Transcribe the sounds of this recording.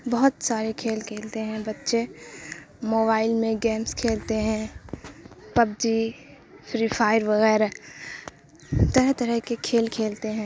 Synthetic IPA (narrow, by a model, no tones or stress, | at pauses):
bɐɦʊt̪saːɾekʰeːlkʰeːlt̪eɦɛ̃bɐtːʃe | moːbaːɪlmẽɡɛːmskʰeːlt̪eɦɛ̃ | pɐb̚d͡ʒi | fʰɾiːfʰaːɪɾʋɐɣɛːɾa | t̪ɐɾəɦt̪ɐɾəɦkekʰeːlkʰeːlt̪eɦɛ̃ː